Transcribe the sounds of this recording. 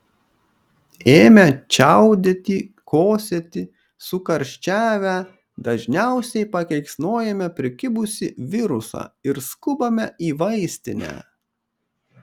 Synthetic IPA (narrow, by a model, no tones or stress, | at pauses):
eːmʲɛt͡ʃʲæˑʊd̪ʲet̪ʲiː | koːsʲɛt̪ʲɪ | sʊkɐɾʲʃʲt͡ʃʲæːʋʲæ | d̪ɐʒʲnʲæˑʊsʲɛɪpɐkʲɛɪksnoːjɛmʲɛpʲɾʲɪkʲɪbʊsʲɪʋʲɪɾʊsɑ̰ːɪɾskʊbɐmʲɛiːʋɐɪsʲt̪ʲɪnʲæ̰ː